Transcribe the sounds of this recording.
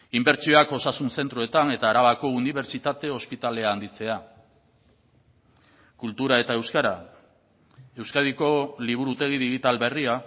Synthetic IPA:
imbe̞ɾt͡ʃio̞ako̞sasunse̞nt̪ɾoe̞t̪ane̞t̪aːɾaβako̞uniβe̞ɾt͡ʃit̪at̪e̞o̞spit̪ale̞aːnd̪it͡se̞a | kult̪uɾae̞t̪ae̞wskaɾa | e̞wskaðiko̞liβ̞uɾut̪eɣiðiɣit̪alβe̞ria

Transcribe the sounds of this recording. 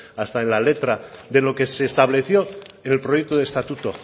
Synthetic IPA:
ast̪aenlale̞t̪ɾaðelo̞ke̞se̞ːst̪aβ̞le̞θjo̞ | ene̞lpɾoje̞k̚t̪oðest̪at̪ut̪o

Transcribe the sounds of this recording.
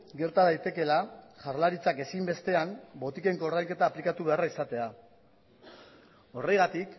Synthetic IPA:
ɡe̞ɾt̪að̞ajt̪e̞ke̞laʝaɾlaɾit͡sake̞simbe̞st̪e̞ambo̞t̪ike̞ŋko̞ɾðajŋke̞t̪aːplikat̪uβe̞araisat̪e̞a | o̞re̞jɣat̪ik

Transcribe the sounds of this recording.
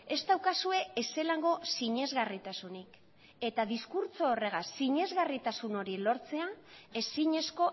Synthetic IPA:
e̞st̪awkasue̞ese̞laŋɡo̞siɲe̞zɣarit̪asunik | e̞t̪aðiskuɾt͡soːre̞ɣasiɲe̞zɣarit̪asuno̞ɾilo̞ɾt͡se̞ae̞siɲe̞sko̞

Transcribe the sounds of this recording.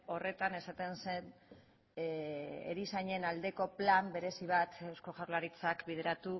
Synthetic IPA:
o̞re̞t̪ane̞sat̪e̞nse̞n | ḛɾisaɲe̞nald̪e̞ko̞plambe̞ɾe̞siβ̞at̪ewskoʝawɾlaɾit͡sakbið̞e̞ɾat̪u

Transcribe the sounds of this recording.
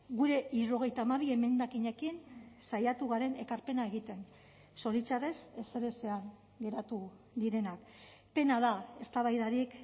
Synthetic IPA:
ɡuɾe̞ʔiɾo̞ɣe̞jt̪aːmaβ̞ieme̞nd̪akiɲe̞kinsajat̪uɣaɾe̞ne̞kaɾpe̞nae̞ɣ̞it̪e̞n | so̞ɾit͡ʃare̞se̞seɾe̞se̞aŋ | ɡe̞ɾat̪u | ðiɾe̞nak | pe̞nað̞ae̞st̪aβajðaɾik

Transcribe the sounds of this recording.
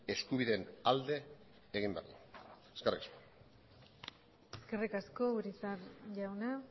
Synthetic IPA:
e̞skuβiðenald̪e̞ː | ɣimbea̰ɾla | eskerikasko | eeskerikasko̞uɾisaɾʝawna

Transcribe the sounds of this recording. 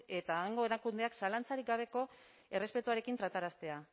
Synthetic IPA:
e̞t̪aːŋɡo̞e̞ɾakund̪e̞aksalant͡saɾik̚ɡaβ̞e̞ko̞ | e̞re̞spe̞t̪uaɾe̞kint̪ɾat̪aɾast̪e̞a

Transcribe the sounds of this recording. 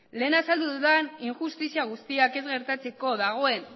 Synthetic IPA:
le̞ːnasald̪uðuðaniŋʝust̪isiaɣ̞ust̪iake̞zɣe̞ɾt̪at͡se̞ko̞ðaɣ̞o̞e̞n

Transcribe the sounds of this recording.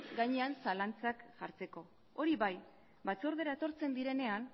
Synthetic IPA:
ɡaɲeansalant͡sakʝaɾt͡se̞ko̞ | oɾiβaj | bat͡so̞ɾðe̞ɾaet̪o̞ɾt͡se̞nd̪iɾe̞ne̞an

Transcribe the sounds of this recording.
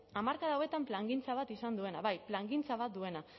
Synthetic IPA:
amaɾkaðawe̞t̪amplaŋɡint͡saβ̞at̪isand̪ue̞naβajplaŋɡint͡saβat̪̚d̪ue̞na

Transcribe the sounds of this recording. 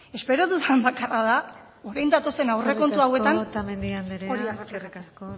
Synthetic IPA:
e̞spe̞ɾo̞ðuðambakaraða | o̞ɾajnd̪at̪o̞se̞nawreko̞nt̪uawe̞ant̪amend̪iand̪iɾeoɾiarikasko

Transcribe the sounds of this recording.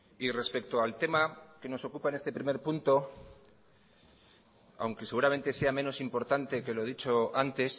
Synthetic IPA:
ire̞spe̞k̚t̪oalt̪e̞make̞no̞so̞kupaene̞st̪e̞pɾime̞ɾpunt̪o̞ | a̰wŋkese̞ɣuɾamẽ̞nt̪e̞se̞amẽ̞no̞simpo̞ɾt̪ant̪e̞ke̞lo̞ðit͡ʃo̞ant̪e̞s

